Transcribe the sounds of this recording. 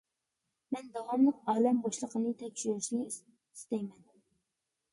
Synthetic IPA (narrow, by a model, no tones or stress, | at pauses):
mɛnd̪ɑwɑmlˠəqɑːlɛmbɑʃlˠəqʰənɨt̪ʰɛkʲʃyɾɪʃinɪ | i̥st̪ɛjmɛn